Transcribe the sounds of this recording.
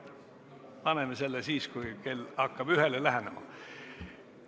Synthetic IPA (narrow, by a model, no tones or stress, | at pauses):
pɑnemese̞lːesiːskujke̞lɑkːɑb̥yɦelelæɦænemɑ̰